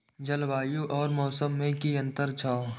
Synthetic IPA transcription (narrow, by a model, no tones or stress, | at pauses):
d͡ʒəlʋaːjuʔɔːɾmɔːsəmːẽkiɐ̃nt̪əɾt͡ʃʰaːo